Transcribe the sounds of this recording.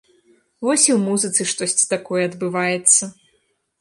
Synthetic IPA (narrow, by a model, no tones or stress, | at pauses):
vɔsʲiwmuzɨt̪sɨʂt̪ɔsʲt͡sʲi̥t̪akɔjɛɐd̪bɨvajɛt̪sːɐ